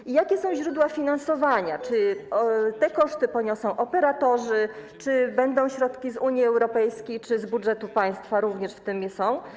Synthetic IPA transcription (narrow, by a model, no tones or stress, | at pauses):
ijakʲɛsɔ̃w̃ʑɾud̪wafʲinansɔvaɲat͡ʂɘɔt̪ɛkɔʂt̪ɘpɔɲɔsɔ̃w̃ʔɔpɛɾat̪ɔʐɘt͡ʂɘbɛnd̪ɔ̃w̃ɕɾɔt̪kʲizuɲjiɛwɾɔpɛjskʲejt͡ʂɘzbudʐɛt̪upaj̃st̪faɾuvɲɛʂft̪ɘmjɛsɔ̃w̃